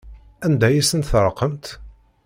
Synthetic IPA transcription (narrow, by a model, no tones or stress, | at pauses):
ænd̪æjisənt̪θɾˤəqːəmt̪